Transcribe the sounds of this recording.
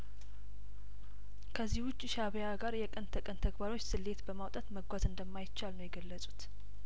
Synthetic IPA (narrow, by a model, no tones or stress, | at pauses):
kʰəzːihwʊt͡ʃʼːiʃaβjaɡaɾjɛkʼɨnt̪ʰəkʼɨnt̪ʰəɡbaɾo̞t͡ʃːsɨlːet̪bəmawt̪ʼat̪məɡʷazɨnd̪əmːajɪt͡ʃːalnəwjɛɡəlːəsʼu̥t̪